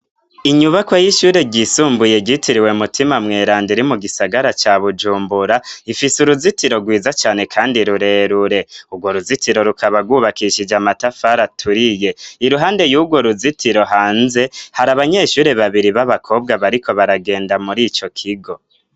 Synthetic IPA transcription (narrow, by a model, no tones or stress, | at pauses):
iɲuβakwajiʃuːɾe̞ɟisuːmbuje̞ɟitiɾiwe̞mutimamŋe̞ːɾaːndiɾimuɡisaɡaɾat͡ʃaβud͡ʒuːmbuɾaifisuɾuzitiɾo̞ɡwiːzat͡ʃaːne̞kʰaːndiɾuɾe̞ːɾuɾe̞uɡwo̞ɾuzitiɾo̞ɾukʰaβaɡwuβakiʃid͡ʒamatafaɾatʰuɾije̞iɾuɦaːnde̞juɡwo̞ɾuzitiɾo̞ɦaːnze̞haɾaβaɲe̞ʃuːɾe̞βaβiɾiβaβakʰo̞ːbɡaβaɾikʰo̞βaɾaɡe̞ːndamuɾiːt͡ʃo̞kʰiɡo̞